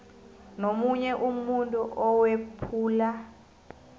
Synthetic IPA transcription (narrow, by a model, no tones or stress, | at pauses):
nomuɲɛʔumuntʼuʔɔwepʰuːla